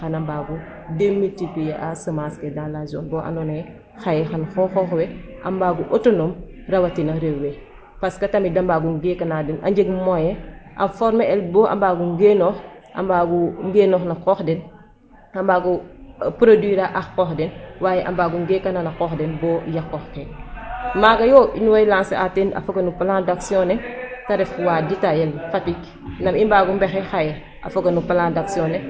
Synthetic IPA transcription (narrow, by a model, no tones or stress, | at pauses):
xɐnɐmbaːɡu | demːitipijaʔasəmaskedanlazɔ̰ːnbɔʔa̰nɔnɐjɛ | xajɛxɐnxɔxɔːxwɛʔɐ̰mbaːɡuʔotonomrɐwɐtinɐɾewwɛ | pɐskɐtɐmidɐmbaɡuŋɡekɐnadɛnʔɐ̰ɲd͡ʒəɡmɔjɛʔɐ̰fɔɾmeɛlbɔʔa̰mbaːɡuŋɡenɔːx | ʔɐ̰mbaːɡuŋɡeːnɔːxnɐkɔːxdɛn | ɐmbaːɡupɾodwiɾaʔaxkɔːxdɛnwaːjɛʔa̰mbaːɡuŋɡekananakɔːxdɛnbɔːjakːɔxkɛ | maːɡɐjɔːinuwɐjlãːnseatenɐ̰fokɐnupalandaksiɔnɛtɐɾɛfwaːditajelfatik | nɐmimbaːɡumbɛxɛxaje | ʔɐ̰fokɐnupalãndaksiɔnɛ